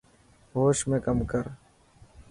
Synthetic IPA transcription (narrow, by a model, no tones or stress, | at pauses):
ɦoːʃmẽːkəmkəɾ